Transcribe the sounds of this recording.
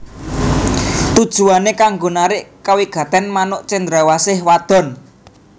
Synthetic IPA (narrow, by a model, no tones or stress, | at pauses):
t̪ud̥ʒ̥ṳanekaŋɡo̤naɾɪʔkawiɡ̥ä̤t̪ɛnmanʊʔt͡ʃend̪ɾawasɪhwad̪̥ɔ̤n